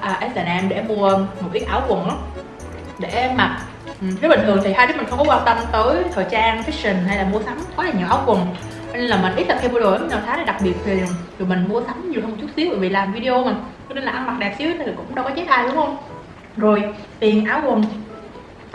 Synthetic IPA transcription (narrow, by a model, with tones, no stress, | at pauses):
ʔəː˨˩ʔɛ˦˥t̚ɗɛ˧˩ʔɛ˧mɗḛ˧˩mu˧əmo˨˩i˨˦əŋʔaː˧˩wkwə˨˩nla˨˦ | ɗe˧˩ma˨˩t̚ | ʔɨ̟˦˥˨hʰɨ˨˩əŋt̪i˨˩ɦa˧jɗ̚m̟˨˩xwŋ͡mkɔ˨˦waː˧nt̪ə˧mt̪əː˨˦jt̪ʰəː˨˩jt͡ɕaː˧ŋfi˦˥sï˨˩ŋ̟ɦa˧jlaː˨˩mu˧əsa˨˦mt̪ʰɔ˨˦laː˨˩ɲi˨˩əwʔaː˨˦wkwə˨˩n | t͡ɕɔ˧ne˧nlaː˨˩mï˨˩nʔi˦˥t̪̚ːaː˨˩kʰxi˧mu˧˩zo˨˩ja˨˦ɲaː˨˩t̪ʰaː˨˦ɗe˧˩ɗa˨˩k̚ɓi˨˩ət̚t̪ʰi˨˩˨zo˨˩jmï˨˩ŋ̟mu˧əsa˨˦ŋ͡mɲi˨˩əwhə˧wŋ͡mt͡ɕu˦˥t̚si˨˦˥wɓəː˧˨˩vḭ˨laː˨˩mvi˧ɗi˧o˧ma˨˩˧ | ne˧nlaː˨˩ʔa˧nma˨˩k̚ɗɛ˨˩p̚si˧˦ə˦t̪ʰːt̪ʰi˨˩kʊ̰˧˥ŋ͡mɗa˧wkɔ˨˦t͡ɕe˨˦t̪ʰaː˧˩jɗʊ˨˦ŋ͡mhə˧wŋ͡m | zo˨˩jt̪i˨˩ənʔaː˨˩wkwə˨˩n